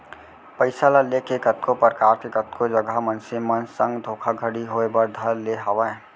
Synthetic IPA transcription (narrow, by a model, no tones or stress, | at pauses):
pəɪsalalekekət̪̚kopɾəkaːɾkekət̪̚kʰod͡ʒəɡəmənsimənsə̃ŋɡd̪ʱoːkʰaɡʱəɽiɦoebəɾd̪ʱəɾleɦɐwã